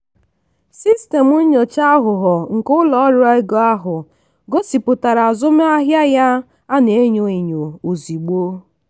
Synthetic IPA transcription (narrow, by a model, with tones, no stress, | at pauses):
si˦ste˨mu˦ɲo˨t͡ʃa˦ɦʊ˨ɦɔ˨ŋ̩˨kʊ˦lɔ˨˦ɾʊ˦a˦ɪ˦ɡo˨˦a˦ɦʊ˨ | ɡo˦si˨pʊ˨ta˨ɾa˨a˨zʊ˦me˦a˦ɦja˦ja˦ | a˦ne˨˦ɲo˨i˨ɲo˨o˨zi˨ɡ͡bo˦